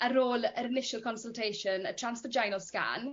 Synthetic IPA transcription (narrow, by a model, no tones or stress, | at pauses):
əɾoːləɾɪnɪʃəlˠkʰɔnsəlˠtʰejʃənətʰr̥ansfɔd͡ʒajnɔska̰n